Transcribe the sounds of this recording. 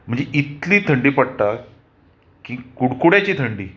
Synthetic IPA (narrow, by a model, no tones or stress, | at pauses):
m̤əɳd͡zeʔit̪liːt̪ʰəɳɖiːpəɽt̪a | kĩkuɽkuɽjat͡ɕiːt̪ʰəɳɖiː